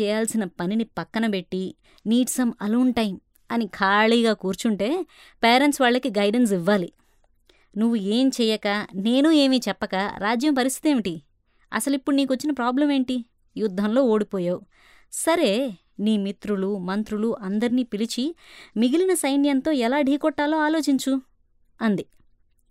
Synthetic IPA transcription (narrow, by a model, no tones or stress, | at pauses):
ɛːjaːlsinɐpɐninipɐkːɐnɐpe̞ʈːi | niːʈsɐmɐlɐɳʈɐjim | ɐnikʰaːɭiːɡaːkuːɾt͡ʃuɳʈe̞ː | peːɾeɳʈsʋaːɭːɐkiɡɐjɖens̬iʋːaːli | nuʋːueːmt͡ʃɛːjɐkaːne̞ːnue̞ːmiːt͡ʃɛpːɐka̰ːɾaːd͡ʒjɐmpɐɾist̪i̥t̪eːmiʈi | ɐ̰sɐlipːuɽuniːkʋot͡ʃːinɐpɾaːblɐmeːɳʈi | jud̪ʱːɐmlo̞ːoːɽipɔːjaːu | sɐɾe̞ː | niːmit̪ɾulumɐnt̪ɾuluʔɐnd̪ɐɾiniːpilit͡ʃimiɡilinɐsɐjnijɐnt̪o̞ːɛlaːɖʱiːkɔʈːaːlo̞ːaːlo̞ːt͡ʃiɲt͡ʃu | ɐnd̪i